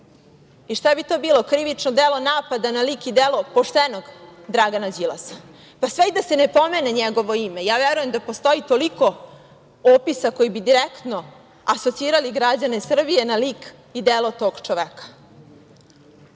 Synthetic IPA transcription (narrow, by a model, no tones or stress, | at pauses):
iʃt̪aebit̪oːbiːlˠo̞kɾiʋit͡ʂnod̪eːlo̞naːpad̪analiːkid̪elo̞poʂt̪enoɡd̪ɾaɡanad͡ʑilˠa̰sa | pasʋeid̪ase̞ne̞po̞me̞neɲeɡo̞ʋo̞ime̞jaːʋeɾujemd̪apo̞st̪o̞jit̪o̞liko̞ | opisakojibid̪iɾekt̪no̞ | aso̞t̪siːɾaliɡɾad͡ʑane̞sr̩bije̞naliːk | id̪elo̞t̪o̞ːɡ̥t͡ʂoʋekḁ